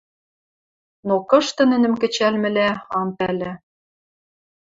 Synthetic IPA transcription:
nokɤ̆ʃt̪ɤ̆nɘ̆nɘ̆mkɘ̆t͡ɕælmɘ̆læɑmpælɘ̆

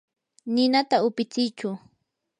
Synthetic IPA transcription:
nɪnat̪aʊpɪt͡sɪjt͡ʃʊ

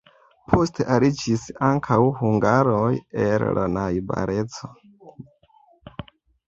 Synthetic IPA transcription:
pʰo̞stʰe̞ʔaɾid͡ʒisaŋkʰawhuŋɡaɾojella̰najba̰ɾʔe̞t͡so

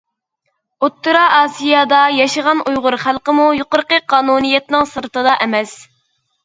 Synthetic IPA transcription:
ot̪ːuɾɑɑːsijɑd̪ɑjɑʃəʁɑnujʁʊɾχælˠqəmujoqʊɾqəqʰɑːnunijɛt̪nɪŋsɨɾt̪ɨd̪ɑʔɛmɛs

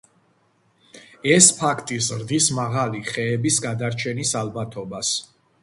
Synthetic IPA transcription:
ɛspʰakʰt̪ʼizɾd̪ismaʁaliχɛːbisɡad̪aɾt͡ʃʰɛnisalˠbat̪ʰɔbas

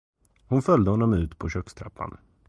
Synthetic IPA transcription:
hʊnfœld̪əhɔnːɔmʉ̟ːt̪pʰɔɕœkst̪ʰɾapʰːa̰n

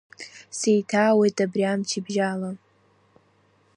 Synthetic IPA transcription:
sejtʰawejtʼabriamt͡ʃʰibʒala

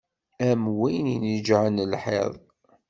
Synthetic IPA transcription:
æmwijninəd͡ʒʕənəlħḛðˤ

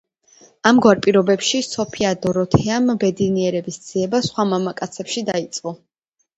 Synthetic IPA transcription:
amɡwaɾpʼiɾɔbɛpʃisɔpʰiad̪ɔɾɔt̪ʰɛambɛd̪iniɛɾɛbisd̪z̥iɛbasχwamamakʼat̪sʰɛpʃid̪ait̪sʼqʼɔ

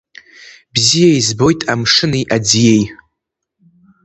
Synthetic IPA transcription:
bzijaizbo̞jtʼamʂɨniʔad͡zije̞j

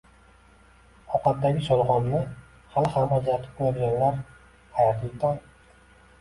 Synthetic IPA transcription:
ɒqɑt̪̚d̪aɡʲɪsɒlˠχɒmnɪ | halɪhamad͡ʒlat̪ʰɪ̥p̚qojɒɡʲanlaɾ | hajat̪lɪk̚ʲd̪ʰɒj

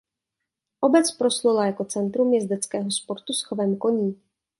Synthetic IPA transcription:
ʔo̞bɛt͡spɾo̞slulajako̞t͡sɛnt̪ɾumjɛzd̪ɛt͡skɛːɦo̞spo̞ɾt̪usxovɛːmko̞ɲiː

